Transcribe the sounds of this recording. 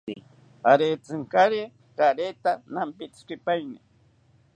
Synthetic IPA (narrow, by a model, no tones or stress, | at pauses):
aɾet͡sɨŋkaɾe | kaɾet̪anampit͡skipajni